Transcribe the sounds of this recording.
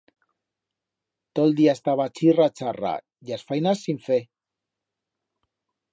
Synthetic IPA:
t̪old̪iast̪aβat͡sirat͡sara̰ | ʝasfajnasiɱfe

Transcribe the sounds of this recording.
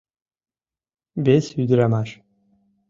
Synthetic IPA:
besyd̪ɾamaʃ

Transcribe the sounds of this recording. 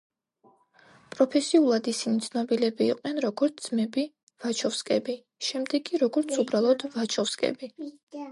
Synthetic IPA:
pʼɾɔpʰɛsiulˠad̪isinit̪sʰnɔbilɛbḭːqʼnɛnɾɔɡɔɾt̪ʰd̪zmɛbi | v̥at͡ʃʰɔfskʼɛbi | ʃɛmd̪ɛɡʼiɾɔɡɔɾt̪sʰubɾalˠɔd̪vat͡ʃʰɔfskʼɛ̰bi

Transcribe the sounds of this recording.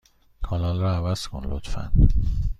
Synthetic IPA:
kʰɒlɒːlrɒævæz̥kʰo̰nlo̰t̪fæ̰n

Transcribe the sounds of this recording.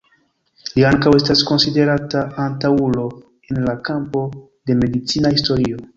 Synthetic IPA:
liaŋkawe̞stasko̞nside̞ɾataantaulo̞ | e̞nlakampo̞ | de̞me̞dit͡sinahisto̞ɾio̞

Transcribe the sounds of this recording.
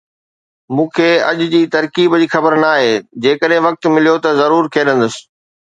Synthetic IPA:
mũːkʰeːɐ̰ʄʊd͡ʑiːt̪ɐɾkiːbd͡ʑiːxɐbəɾnaːɦeːd͡ʑeːkəɗɦẽʋɐk̚t̪mɪlijot̪ɐzɐɾuːɾkʰeːɗə̃nd̪əs

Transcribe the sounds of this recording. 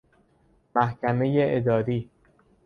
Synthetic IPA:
mæhcʰæme̞jeʔed̪ɒːɾiː

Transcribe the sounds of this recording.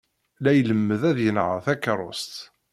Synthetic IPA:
læjələmːəðæðjənʕə̰θækːəɾˤʊ̰st̪

